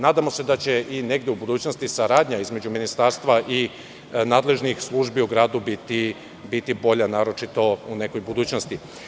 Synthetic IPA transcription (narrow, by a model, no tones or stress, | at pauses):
naːd̪amo̞se̞d̪at͡ɕe̞ʔine̞ɡd̪e̞ubud̪uːt͡ɕno̞st̪isaɾaːd̪ɲaizme̞d͡ʑuminist̪aːɾst̪ʋaʔi | naːd̪le̞ʒnixslˠuʒbiuɡɾaːd̪ubit̪i | bit̪ibo̞ʎanaːɾo̞t͡ʃit̪o̞une̞ko̞jbud̪uːt͡ɕno̞st̪i